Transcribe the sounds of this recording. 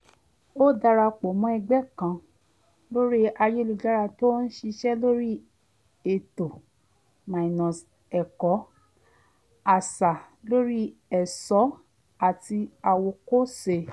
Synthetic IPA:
o˦da˧ɾa˧k͡po˨mɔ̃˨˦ɛ˧ɡ͡bɛ˦kã˧˨ | lo˦ɾi˦a˧jo˦lu˧da˦ɾa˧to˦n̩˦ʃi˧ʃɛ˦lo˦ɾi˦ | e˨to˨ | mã˨i˨nɔ̃˨s | ɛ˨kɔ˨˦ | a˨sa˨ | lo˦ɾi˦ɛ˨sɔ˨˦ | a˨ti˧a˧wo˧ko˦se˧

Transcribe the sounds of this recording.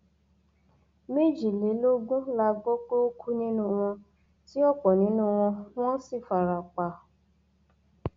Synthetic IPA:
me˦˨d͡ʒi˨le˨˦lo˦ɡũ˦la˧ɡ͡bɔ˦k͡po˦o˦kʰu˦nĩ˦nũ˦w̃ɔ̃˧ | ti˦ɔ˦˨k͡pɔ˨nĩ˨˦nũ˦˧w̃ɔ̃˧w̃ɔ̃˦si˦˨fa˨ɾa˨k͡pa˨

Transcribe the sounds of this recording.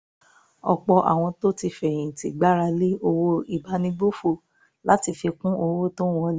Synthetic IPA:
ɔ˨k͡pɔ˧ʔa̰˨w̃ɔ̃˧to˦ti˧fɛ̃˨ĩ˨ti˨ɡ͡ba˦ɾa˧le˦o˧wo˧i˨ba˨˧˦nĩ˧ɡ͡bo˦fo˦˨ | la˦ti˧fi˧kũ˦o˧wo˦to˦wɔ̃˧l

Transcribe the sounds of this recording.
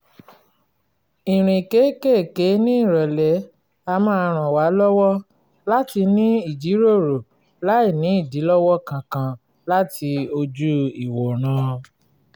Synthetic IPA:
i˨ɾ̃ĩ˨ke˨˦ke˦˨ke˨˦nĩ˦i˦˨ɾɔ˨lɛ˨˦ | a˧mãː˦˧ɾ̃ã˨wa˨˦lɔ˦wɔ˦ | la˦ti˧nĩ˦i˦˨d͡ʒi˨˦ɾo˦˨ɾo˨ | la˦i˦˨nĩ˨˦i˦˨di˨˦lɔ˦wɔ˦kã˨kã˧ | la˦tʰi˧o˧d͡ʒu˦i˨wɔ˨ɾ̃ã˨˦

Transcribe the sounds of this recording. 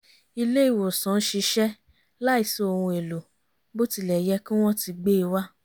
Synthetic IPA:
i˧le˦i˦˨wo˨sã˨˦n̩˦ʃi˧ʃɛ˦ | la˦i˦˨so˦o˧hũ˧e˨lo˨ | bo˦ti˧˦lɛ˨jɛ˧kĩ˦w̃ɔ̃˦ti˧ɡ͡be˦i˧wa˦

